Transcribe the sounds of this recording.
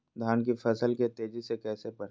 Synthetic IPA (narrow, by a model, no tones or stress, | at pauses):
d̪ʱaːnk̬ifʰɐsəlket̪eːd͡ʒisekɛːsepɐɾ